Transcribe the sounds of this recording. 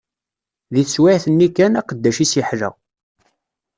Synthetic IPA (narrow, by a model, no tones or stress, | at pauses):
ðiθəswɪʕθənːikænæqəd̪ːæʃisjiħlæ̰